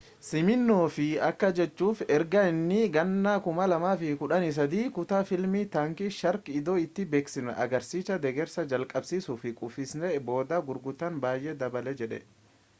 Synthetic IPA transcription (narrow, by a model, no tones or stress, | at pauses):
sɪmɪnːoːfɪɐkːɐd͡ʒɛt͡ʃːuːfɛɾɡɐɪnːɪɡɐnːaːkʊmɐlɐmaːfɪkʊᶑɐnɪs̬ɐd̪iːkʊt̪aːfɪlmit̪aːŋkɪʃɐɾkɪd̪o̞ːɪt̪ːɪbeːksɪnɛ̰ʔɐ̰ɡɐɾsiːsɐd̪ɛɡɛɾsɐd͡ʒɐlkʼɐbsiːsuːfɪkʼʊfɪsnɛbo̞ːd̪aːɡʊɾɡʊt̪ːɐnbaːjʔɛd̪ɐbɐlɛd͡ʒɛᶑɛ̰